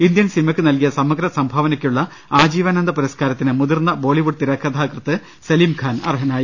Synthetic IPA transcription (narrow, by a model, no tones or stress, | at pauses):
ind̪jɐnsinimɐkːɨnɐlkijɐsɐmːɐɡɾɐsɐmbʱɐʋɐnɐkʲːuɭːɐ | aːd͡ʑiːʋaːnɐnd̪ɐpuɾɐskaːɾɐt̪ːinɨmud̪irnːɐbo̞ːɭiʋuʈ̚t̪iɾɐkʰːɐt̪ʰaːkrɨt̪ːɨ | sɐliːmkʰaːnɐ̰rɦɐnaːji